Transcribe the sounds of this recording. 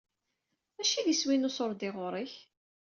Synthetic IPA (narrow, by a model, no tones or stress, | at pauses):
æʃiðiswinʊsoɾˤd̪eʁʊɾˤiç